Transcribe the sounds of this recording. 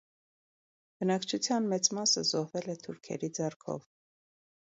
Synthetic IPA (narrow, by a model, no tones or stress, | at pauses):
b̥ənɑkt͡ʃʰut͡sʰjɑnmɛt͡smɑsəzɔhvɛlɛt̪ʰuɾkʰɛ̰ɾid͡zɛrkʰɔ̰v